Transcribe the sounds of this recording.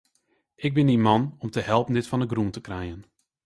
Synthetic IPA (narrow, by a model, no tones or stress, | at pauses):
ɪɡ̚bɪndimɑnɔmtəhɛlˠpən̩dɪtfɑnəɡruntəkrɛjən